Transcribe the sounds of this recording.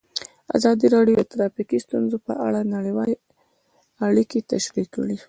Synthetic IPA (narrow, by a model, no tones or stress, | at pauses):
a̰zɑd̪iɾɑɖjot̪ɾɑfikist̪unzopə̰ʔa̰ɽanaɽewɑle | aɽikit̪aʃɾikːəɽi